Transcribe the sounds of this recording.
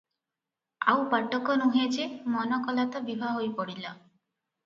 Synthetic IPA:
a̰wpaʈɔkɔnuɦed͡ʒemɔnɔkɔlat̪ɔbibʱaɦojpɔɽila

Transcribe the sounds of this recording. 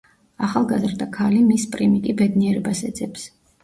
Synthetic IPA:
aχalˠɡazɾd̪akʰalimispʼɾimikʼibɛd̪niɛɾɛbasɛd̪zɛps

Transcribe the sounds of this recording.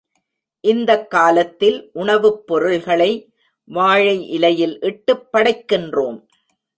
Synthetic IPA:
ʔɪnd̪ɐkːaːlɐt̪ːɪlʔʊɳɐʋɯpːɔɾɯlɣɐɭɐɪ | ʋaːɻɐɪʔɪlɐjɪlʔɪʈːɯpːɐɽɐɪkːɪndroːm

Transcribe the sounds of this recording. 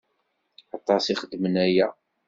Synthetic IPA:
ɑt̪ˤɑsiχəd̪ːmənæjæ

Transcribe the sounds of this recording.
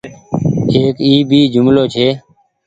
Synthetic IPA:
eːkiːbiːd͡ʒʊmloːt͡ʃʰeː

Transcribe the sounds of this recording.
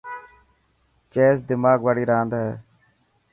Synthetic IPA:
t͡ʃeːsd̪ɪmaːɡʋaːɽiːɾaːnd̪aːɦɛ̰ː

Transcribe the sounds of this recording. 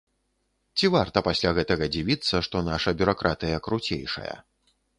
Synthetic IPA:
t͡sʲivart̪ɐpasʲlʲaɣɛt̪ɐɣɐd͡zʲivʲit̪sːɐʂt̪ɔnaʂɐbʲuɾakɾʔat̪ɨjɐkɾut͡sʲḛjʂɐ̰jɐ̰

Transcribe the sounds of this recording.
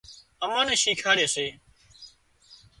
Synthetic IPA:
əmaːneːʃiːkʰaːɽjeːseː

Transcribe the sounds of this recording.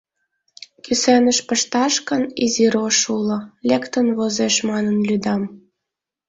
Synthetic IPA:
kysenəʃpəʃt̪ɑʃkəniziɾoʃulŏlʲekt̪ənβozeʃmɑnənlyd̪ɑm

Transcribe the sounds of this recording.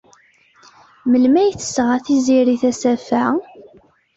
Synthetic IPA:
məlmæjθə̥sʁaθiziɾiθæsæfæ

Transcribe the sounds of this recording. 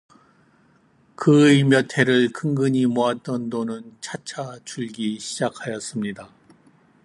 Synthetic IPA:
kɯemjʌtʰe̞ɾɯɭkɯŋɡɯɲimoat̚t͈ʌndonɯnt͡ɕʰat͡ɕʰat͡ɕuɭɡiɕʰid͡ʑakʰajʌs͈ɯmɲida

